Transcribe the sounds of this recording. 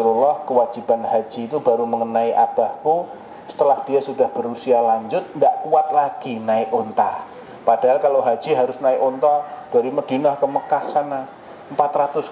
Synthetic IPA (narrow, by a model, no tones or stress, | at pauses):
ɾulɔhkəwḁd͡ʒ̥ib̥anɦḁd͡ʒ̥iːt̪ub̥a̤ɾuməŋənaiʔab̥a̤hku | sə̥t̪əlahd̥iasud̥ahb̥ə̤ɾusialaɲd͡ʒʊt̪̚ndaʔkuat̪̚laɡ̥inaɪʔont̪a | pad̥aɦalkaloɦad̥d͡ʒ̥iɦaɾʊsnaɪʔont̪ɔd̥aɾiməɖ̥i̤nahkəməkahsana | əmpat̪rat̪ʊs